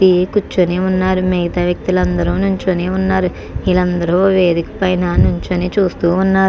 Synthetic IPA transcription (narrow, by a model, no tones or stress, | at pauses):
ikut͡ʃːoneːunːaːɾumeɡɐt̪aːʋjɐk̚t̪ilɐnd̪ɐɾuːnuɲt͡ʃoːneːunːaːɾu | ilɐnd̪ɐɾoʋe̞ːd̪ikɐ̥pɐjnɐnuɲt͡ʃoniːt͡ʃuːst̪uːnːaː